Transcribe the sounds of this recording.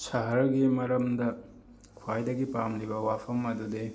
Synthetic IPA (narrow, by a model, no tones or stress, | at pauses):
sɐɦɐɾɡimɐɾɐmdɐ | kʰwajdɐɡipamlibɐwapʰɐmɐdude